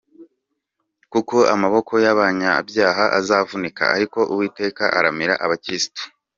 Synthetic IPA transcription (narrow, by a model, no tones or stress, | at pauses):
kuko̞ʔamaβo̞kʰo̞jaβaːɲabjaːɦaʔazaːvunika̰a̰ɾiko̞ʔuwiːte̞ːka̰ʔaɾamiɾa̰ʔaβakɾisi̥to̥